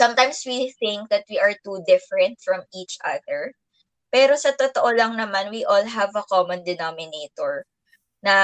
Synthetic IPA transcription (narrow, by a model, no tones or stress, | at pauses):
sɐ̃mt̪ajmswiθɪ̃ŋk̚ðɐt̪̚wiʔɐɹt̪ud̪ɪfɹɛ̃nt̪̚fɹɐmiːt͡ʃʔɐ̰ðɛɹ | pɛːɾo̞sɐt̪ot̪oʔolɐŋnɐmanwiʔolɦɐvɐkɔmɔ̃nd̪ɛnomɪneːt̪ɔɹ | nɐ